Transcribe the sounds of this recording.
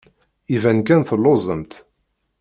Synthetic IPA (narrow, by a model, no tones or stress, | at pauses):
ivænkænθəlːozˤəmt̪